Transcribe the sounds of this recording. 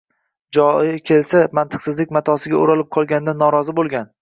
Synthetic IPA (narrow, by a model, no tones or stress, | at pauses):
d͡ʒɒkʲʰe̞lsamant̪ʰɨ̥qsɪzlɪkʲmat̪ʰɒsɪɡʲaoɾalɪp̚qʰɒlˠɡʲanɪd̪anːɒɾɒzɪbolˠɡʲan